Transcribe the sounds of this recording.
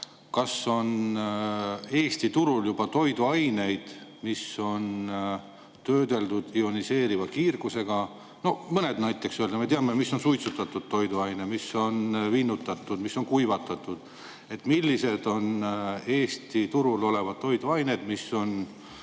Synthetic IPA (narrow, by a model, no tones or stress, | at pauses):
kɑso̞n | e̞ːst̪it̪uɾuljub̥ɑt̪o̞jd̪uɑjne̞jd̪̥miso̞n | t̪øːd̪e̞ld̪ud̪̥io̞nise̞ːɾivɑkiːrɡ̥use̞ɡ̥ɑ | no̞mɤne̞d̪nɑjt̪ːˑe̞ksøld̪ɑmet̪eɑmemisːo̞nsujt̪sut̪ːˑɑt̪ːˑud̪̥̚t̪o̞jd̪uɑjnemiso̞nvinːut̪ːˑɑt̪ːˑud̪̥misːo̞nkujvɑt̪ːˑɑt̪ːˑud̪̥ | e̞t̪ːˑmilːise̞d̪̥o̞ne̞ːsʲt̪it̪uɾulo̞le̞vɑd̪̥̚t̪ːo̞jd̪uɑjne̞d̪̥misːo̞n